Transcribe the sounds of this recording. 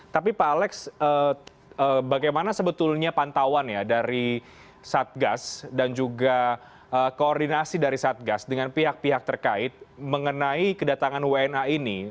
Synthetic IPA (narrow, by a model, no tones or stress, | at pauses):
t̪apipaːlɛksə | əbaɡajmanasəbət̪ʊlɲapant̪awanjadaɾi | sat̪̚ɡasdand͡ʒuɡa | əːkoːrdinasidaɾisat̪̚ɡasdəŋanpiɦak̚piɦak̚t̪ərkaɪt̪̚məŋənaikədat̪aŋanweɛnaini